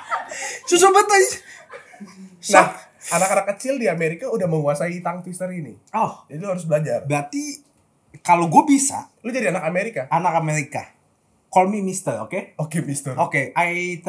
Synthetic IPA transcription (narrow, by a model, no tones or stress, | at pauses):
sus̬abət̪əs | nahanakanakːət͡ʃɪldiameɾikaudahməŋuasait̪aŋt̪wist̪əɾini | ɔhd͡ʒadiuhaɾʊs̬bəlad͡ʒarbɾat̪i | kaloɡuabisa̰lod͡ʒadianakameɾikaʔanakameɾika | kɔlmimist̪əro̰keokemist̪ərokeait̪